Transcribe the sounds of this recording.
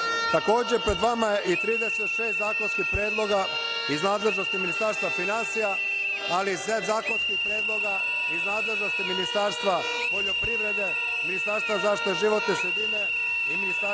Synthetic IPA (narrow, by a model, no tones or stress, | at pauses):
t̪ako̞ːd͡ʑepɾe̞d̪ʋamaje̞ʔit̪ɾiːd̪e̞set̪ʃe̞ːst̪zaːkonskixpɾe̞ːd̪lˠo̞ɡa | iznaːd̪le̞ʒno̞st̪iminist̪aːɾst̪ʋafinansija | aliset̪zaːko̞nskixpɾeːd̪lˠo̞ɡa | iznaːd̪lˠe̞ʒno̞st̪iminist̪aɾst̪ʋa | po̞ʎo̞pɾiʋɾe̞d̪e̞ | minist̪aɾst̪ʋazaːʃt̪i̥t̪eʒiʋo̞t̪nesud̪ine | iminist̪a